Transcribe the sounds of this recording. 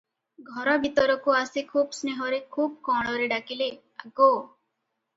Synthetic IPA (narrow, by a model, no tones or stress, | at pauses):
ɡʱɔɾɔbʱit̪ɔɾɔkuasikʰuːbsneɦɔɾekʰuːb̚kɔɽ̃ɔɾeɖakile | aɡo